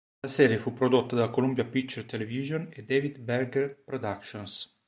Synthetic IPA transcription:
lasɛɾjefupɾod̪ot̪ːad̪akolumbjapit͡ʃert̪elevizjoned̪evid̪bɛɾɡɛrpɾod̪akʃons

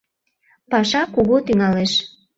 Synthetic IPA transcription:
pɑʃɑkuɣot̪yŋɑleʃ

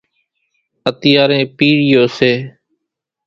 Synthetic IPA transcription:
ət̪ɪjaːɾẽːpiːɾɪjoːseː

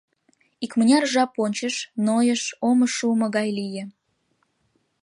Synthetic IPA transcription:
ikmənʲɑrʒɑponʲt͡ɕəʃnojəʃoməʃuməɣɑjlijĕ

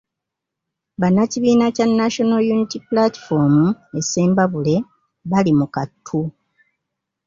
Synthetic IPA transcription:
βanːaciβiːnacanːaʃo̞nojunitipulati̥fo̞ːmue̞se̞ːmbaβule̞ | βalimukatʰːu

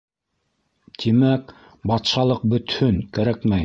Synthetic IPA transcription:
t̪ʰimæk | bɑt̪ʃɑlˠɤq̚bɵ̆t̪hɵŋkæɾækmæj

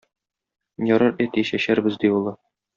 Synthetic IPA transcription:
jɒɾɤɾæt̪iɕæɕæɾbɘzd̪iulˠɤ

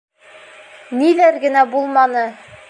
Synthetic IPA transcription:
nilæɾɡɘ̆næbulˠmɑnɤ

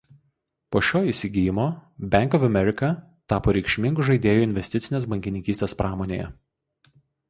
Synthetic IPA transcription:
poːʃʲoːiːˑsʲɪɡʲɪjɪmoːbʲæˑŋkɔfɐmʲɛɾʲɪkɐ | t̪ɑːpoːɾʲɛɪkʃʲmʲɪŋɡʊʒɐɪd̪ʲeːjʊɪnʲʋʲɛsʲt̪ʲɪt̪sʲɪnʲeːsbɐŋʲkʲɪnʲɪŋkʲiːst̪ʲeːspɾɑːmoːnʲḛːjɛ̰

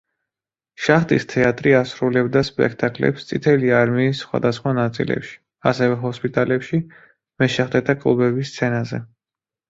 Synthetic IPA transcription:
ʃaχt̪ʼist̪ʰɛat̪ʼɾiasɾulɛbd̪aspʼɛ̰kʰt̪ʼakʼlɛ̰pst̪sʼit̪ʰɛliaɾmiːsːχwa̰d̪asχwanat̪sʼḭlɛ̰pʃi̥ | asɛvɛɦɔspʼit̪ʼalɛpʃi | mɛʃɛχd̪ɛt̪ʰakʼlˠubɛbist̪sʰɛnazɛ

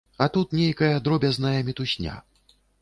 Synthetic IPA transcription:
ɐt̪ut̪nʲejkɐjɐd̪ɾɔbʲɐznɐjɐmʲit̪usʲnʲa̰

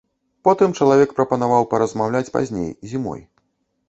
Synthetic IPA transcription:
pɔt̪ɨmt͡ʂɐlˠavʲɛkpɾɐpɐnavawpɐɾɐzmawlʲat͡sʲpa̰zʲnʲḛjzʲimɔ̰j

